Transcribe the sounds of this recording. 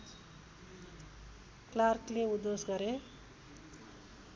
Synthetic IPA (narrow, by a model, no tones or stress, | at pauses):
klaɾkleud̪osɡʌɾe